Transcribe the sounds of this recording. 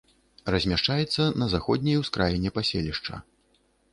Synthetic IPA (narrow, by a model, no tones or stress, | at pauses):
rɐzʲmʲaʂt͡ʂajɛt̪sːɐnɐzaxɔd̪ʲnʲɐjwskɾʔajɛnʲɛpasʲelʲiʂt͡ʂɐ̰